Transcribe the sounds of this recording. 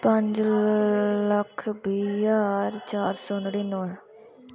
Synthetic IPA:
pəɲd͡ʒ | ləkʰbiːjaːɾt͡ʃaːɾsɔːnɽiːnoːl

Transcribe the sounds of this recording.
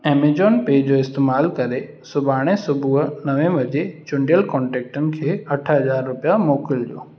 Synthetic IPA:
eːmed͡ʑɔːnpeːd͡ʑoːɪst̪eːmaːlkɐɾe | sʊbaːɽ̃esʊbʱuɦnɐʋẽʋɐd͡ʑet͡ɕʊ̃ɳɖijəlkɔːɳʈeːk̚ʈənɪ̆kʰeːɐʈʰəɦɐzaːɾːʊpijamoːkɪlɗio̰ː

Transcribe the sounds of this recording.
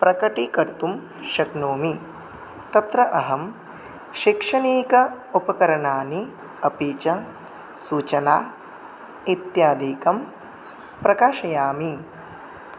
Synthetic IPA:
pɾɐkɐʈikɐɾt̪um | ʃɐknoːmi | t̪ɐt̪ɾɐʔɐɦɐm | ʃikʂɐniːkɐ | upɐkɐɾɐɳaːni | ɐpiːt͡ʃɐ | suːt͡ʃɐnaː | it̪jaːd̪ʱiːkɐm | pɾɐkaːʃɐjaːmi

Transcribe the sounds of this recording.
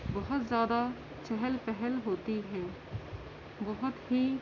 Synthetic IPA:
bɔɦʊt̪zjaːd̪a | t͡ʃɛɦɛlpɛɦɛlɦoːt̪iɦɛː | bɔɦʊt̪ɦi

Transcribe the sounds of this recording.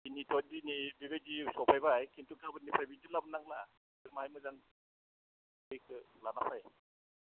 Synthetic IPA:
initʰɔt̚dinibibed͡ʒisɔpʰajbajkʰintukʰabɯnːipʰajbintilabɯnaŋla | ɯmaajmɯzaŋ | ɯjkʰɯlanapʰaj

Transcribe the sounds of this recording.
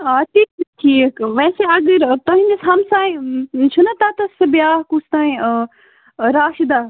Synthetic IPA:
aːʈʰiːk̚ʈʰiːkʋɛːseɐɡəɾt̪ɐɦĩnd̪esɦɐmsaːjt͡ʃʰunɐt̪at̪ɐsbjaːɦkust̪aːĩ | ɾaːʃid̪aː

